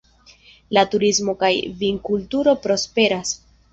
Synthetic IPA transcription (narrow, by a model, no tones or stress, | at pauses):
latuɾismo̞kajviŋkultuɾo̞pɾo̞spe̞ɾas